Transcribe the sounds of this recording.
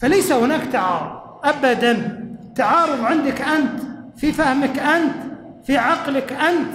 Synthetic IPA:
falajsahʊnaːkt̪aʕɑ̰ːɾˤʊðˤ | ʔabad̪ant̪aʕɑːɾˤɨðˤʕɪnd̪ɪkʔant̪fifahmɪkʔant̪ | fiʕɑqlɪkʔant̪

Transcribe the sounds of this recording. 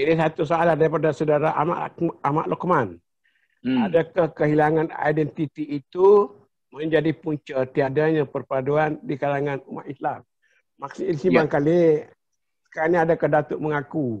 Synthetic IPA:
inisat̪us̬aaladaɾipadasədaɾaʔa̰ma̰ʔama̰ʔlɔkman | adakahkəɦilaŋana̰jdɛnt̪it̪iːt̪u | məɲd͡ʒadipuɲt͡ʃət̪iadaɲapərpaduandikalaŋanuma̰t̪̚islamː | aksiilsimbaŋkali | sə̥kaɾanɲaadakahdat̪ʊʔməŋaku

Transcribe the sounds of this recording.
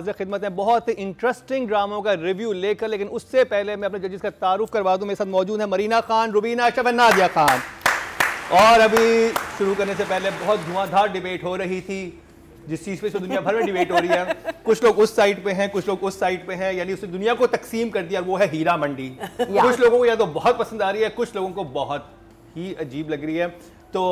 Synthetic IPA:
zɾəxɪd̪mət̪ɦɛ̃bɐɦʊt̪ɪ̃ɳʈɾəsʈɪ̃ŋɡɖɾaːmõkaɾɪʋjuːleːkɐɾleːkɪnʊsːepɛɦlemɛ̃ɐpned͡ʒɐd͡ʒɪskat̪aːɾʊfkɐɾʋaːd̪ũɦumeːesaːt̪mɔːd͡ʒuːd̪ɦɛ̃mɐɾiːnaxaːnɾʊbiːnaʃɐfɦɛnaːd̪ijaxaːn | ɔːɾɐbʱiʃʊɾukɐɾnesepɛɦlebɐɦɔt̪̚ɡ̪ʱʊãːd̪ʱaːɾɖɪbeːʈɦoɾɐɦit̪ʰi | d͡ʒɪst͡ʃiːzpeɪsed̪ʊnijabʱɐɾmẽɖɪbeːʈɦoːɾɐiɦɛːkʊt͡ʃʰloːɡʊsːaːɪʈpeɦɛ̃kʊt͡ʃʰloːɡʊsːaːɪʈpeɦɛ̃jaːniʊsned̪ʊnijakot̪ɐksiːmkɐɾd̪ijaːɾʋoɦɛɦiːɾamɐ̃ɳɖiːkʊt͡ʃʰloːɡõkojat̪obɐɦɔt̪̚pɐsə̃nd̪aːɾɐiɦɛkʊt͡ʃʰloːɡõkobɐɦʊt̪ | ɦiɐd͡ʒiːblɐɡɾɐiɦɛː | t̪oː

